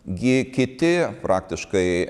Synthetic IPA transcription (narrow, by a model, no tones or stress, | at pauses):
ɡʲɪkʲɪt̪ʲɪpɾɑːkt̪ʲɪʃkɐɪ